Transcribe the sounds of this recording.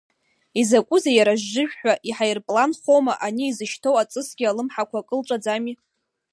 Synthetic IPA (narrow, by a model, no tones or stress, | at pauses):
izakʷʼʊzajaɾaʒːɨʒᶣħʷᶣaʔiħajrpʼlanχowmaʔaniːzɨʃtʰowat͡sʼɨsɡʲialɨmħakʷʰakʼɨlʈ͡ʂʷʼad͡zami